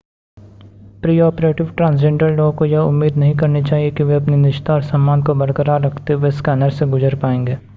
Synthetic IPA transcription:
pɾiːɔːpɾeːʈɪʋʈɾãːnsd͡ʒẽːɳɖəɾloːkojɐʊmːiːd̪nɐɦĩkɐɾnit͡ʃaːɦiekiʋeɐpninɪʃt̪aɔːɾsɐ̃mːaːnd̪kobɐɾkəɾaːɾɾɐkʰt̪eɦuweskɛːnəɾseɡʊd͡ʒəɾpaːẽːŋɡeː

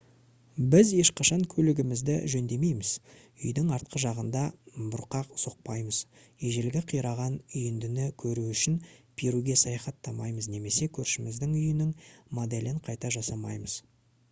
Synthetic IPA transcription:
bɪzje̞ʃqʰɑʃɑŋkʲʰɵlɪɡʲɪmɪzd̪ɪʒɵnd̪e̞me̞jmɪz̥ | ʏjd̪ɪŋɑɾt̪̚qəʒɑʁənd̪ɑbʊɾqɑqso̞q̚pɑjməz | eʒelɡʲɪqʰijɾɑʁɑnʏjɪnd̪ɪnɪkʲʰɵɾuʏʃɪnpʰiɾuɡʲe̞sɑjɑχɑt̪ʰːɑmɑjməzne̞me̞se̞kʲʰɵɾʃɪmɪzd̪ɪŋʏjɪnɪŋmod̪e̞lɪɴqʰɑjt̪ɑʒɑsɑmɑ̰jməz̥

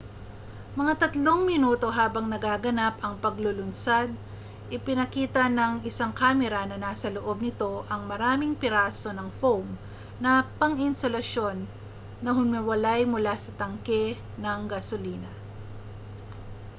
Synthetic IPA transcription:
mɐŋat̪ɐt̪lo̞ŋmɪnuːt̪o̞ɦaːbɐŋnɐɡaːɡɐnapɐŋpɐɡlʊlʊnsad̪̚ | ʔɪpɪnɐkiːt̪ɐnɐŋɪsaŋkaːmɛɾɐnɐnaːsɐloʔo̞b̚nɪt̪o̞ʔɐŋmɐɾaːmɪŋpɪɾaːso̞nɐŋfowm | nɐpɐŋɪnsolɐʃo̞nː | ɐɦʊmɪwɐlajmʊlasɐt̪ɐŋkɛ | nɐŋɡɐsoliːnɐ

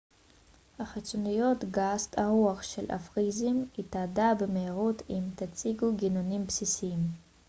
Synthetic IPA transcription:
haχit͡sonijo̞tɡast̪aʁuaχʃelʔa̰fʁizimitadabemeiʁutʰimt̪at͡siɡuɡinonimpsisiim

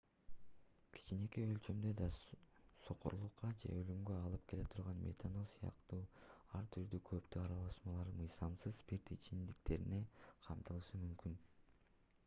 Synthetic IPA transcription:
kʰi̥t͡ʃine̞kiølʲt͡ʃø̞md̪ø̞d̪ɑso̞qoɾlˠuqːɑd͡ʒe̞̰ølymɡø̞ɑlˠɯp̚kʰe̞le̞t̪ʰuɾʁɑnmḛt̪ʰanosɯjɑ̰qt̪uːɑɾt̪ʰyɾd̪ykʰø̞pt̪yɑɾɑlˠɑʃmɑlˠɑɾmɯjzɑmsɯzpiɾt̪it͡ʃind̪ikt̪ʰe̞ɾine̞qʰɑmt̪ɯlˠɯʃɯmymkyn

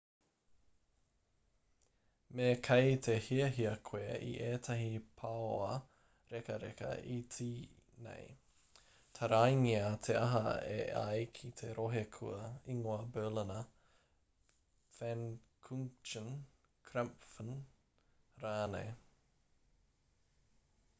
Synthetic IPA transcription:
mekʰɐjt̪ʰehiɐɦiɐkʰweːʔḭʔeːt̪ʰɐɦipʰaoɐ | ɾɛkɐɾɛ̰kɐ̰ʔit͡siː | nḛj | t̪ʰɐɾajŋiɐt̪ʰeɐɦɐ̰ḛa̰jkʰit̪ʰeɾoɦekʰuɐiŋoɐbɜːlənɐ | fɛnkʰuŋt͡ʃən | kʰɾɛmpfən | ɾaːnḛj

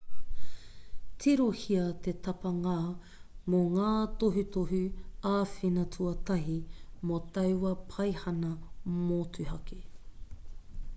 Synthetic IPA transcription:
tʰiɾohiɐt̪e̞t̪ɐpɐŋaː | moŋaːt̪oɦut̪oɦʉaːfinɐtʰuɐtɐɦimot̪ɐwɐpʰɐjhɐnɐmoːtuhɐki

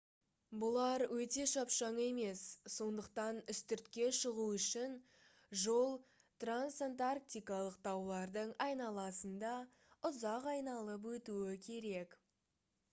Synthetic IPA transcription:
bʊlˠɑɾwɵt̪e̞ʃɑpʃɑɴe̞me̞sːo̞nd̪əqt̪ɑnʏst̪ʏɾt̪kʲe̞ʃəʁuʏʃɪn | ʒo̞lˠ | t̪ransant̪ark̚t̪ijkɑlˠəqt̪ʰɑwlˠɑɾd̪əɴɑjnɑlˠɑsənd̪ɑ | ʊzɑqɑjnɑlˠəp̬wɵt̪uɪkʲʰe̞ɾe̞k

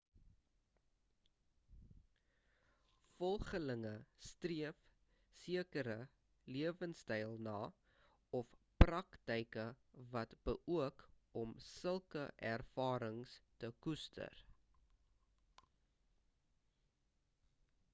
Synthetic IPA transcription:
fɔlˠχələŋəstriəf | siəkəɾə | liəvənstɛjlˠnɑː | ɔfprɐktəjkə | vɐtb̥əʔuək | ɔmsəlˠkə̰ʔærfɑːɾəŋstəkustʰə̰r

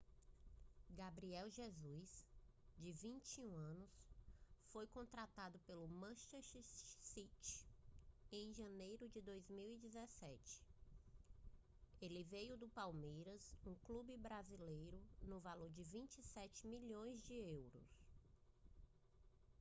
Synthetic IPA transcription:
ɡabɾiɛwʒezujsd͡ʒɪvĩnt͡ʃiũɐ̃nʊs | fojkõnt̪ɾat̪ad̪ʊpelʊmɐ̃ʃɛʃsit͡ʃɪ̥ | ẽj̃ʒɐ̃nejɾʊd͡ʒɪd̪ojzmiwid͡ʒɪzɛsɛt͡ʃɪ̥ | elɪvejʊd̪ʊpawmejɾɐsũklubɪbɾazilejɾʊnʊvaloɾd͡ʒɪvĩt͡ʃɪsɛt͡ʃɪmiʎõj̃zd͡ʒɪewɾʊ̰s

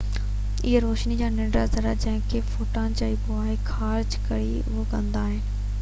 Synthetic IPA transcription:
ɪɦeɾoːʃnid͡ʑaːnɪ̃ɳɖɾazɐɾad͡ʑɐ̃ɦɪ̃kʰefoːʈãd͡ʑaːiːbʊaːexʰaːɾd͡ʑkɐɽi | ʊokɐ̃nd̪aːɦɪnɪ̆

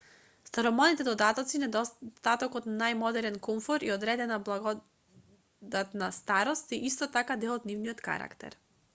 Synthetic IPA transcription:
st̪aɾɔmɔnit̪ɛd̪ɔd̪at̪ɔt̪sinɛd̪ɔt̪at̪ɔkɔt̪najmɔd̪ɛɾɛnkɔmfɔɾiɔd̪ɾɛd̪ɛnablˠaɡɔ | d̪at̪nast̪aɾɔst̪iʔist̪ɔt̪akad̪ɛlˠɔt̪nivniɔt̪ka̰ɾa̰kt̪ɛ̰ɾ

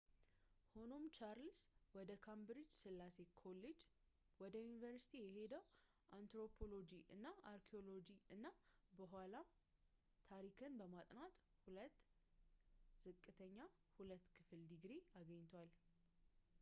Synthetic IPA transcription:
ho̞no̞mt͡ʃaɾlswɔd̪əkʰambɾid͡ʒsɨlːase̞kʰo̞led͡ʒ | wɔd̪əjunivəɾsi̥t̪ʰijɛɦe̞d̪əw | ʔant̪ɾo̞pʰo̞lo̞d͡ʒiʔɨnːaʔaɾkʰio̞lo̞d͡ʒiɨnːabəɦʷwala | t̪ʰaɾikʰɨnbəmat̪ʼnat̪ʼhulət̪ː | z̥ɨkʼːɨt̪ʰəɲːahulət̪ːkʰɨfɨld̪iɡɾeaɡəɲːt̪ʰwal

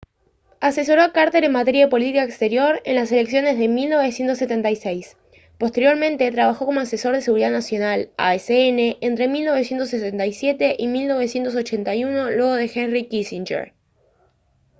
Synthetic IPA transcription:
ase̞s̬o̞ɾoakaɾt̪e̞ɾe̞nmat̪e̞ɾjaðe̞po̞lit̪ikaekst̪e̞ɾjo̞ɾe̞̰nlase̞le̞ksjo̞ne̞zðe̞milno̞βe̞sjent̪o̞sːe̞t̪ent̪ajsejs | po̞st̪e̞ɾjo̞ɾmẽ̞nt̪e̞t̪ɾaβaxo̞ko̞mo̞aseso̞ɾð̞ese̞ɣuɾiðaðnasjo̞nala̰eseene̞ʔent̪ɾe̞milno̞β̞e̞s̬je̞nt̪o̞sːet̪ent̪ajsje̞t̪e̞ʔimilno̞βe̞sje̞nt̪os̬o̞t͡ʃe̞nt̪ajuno̞lweɣ̞o̞ðe̞xenrikisint͡ʃḛɾ

